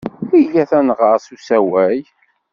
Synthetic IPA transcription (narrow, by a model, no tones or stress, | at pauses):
iʝæθænʁəɾˤsusæwæj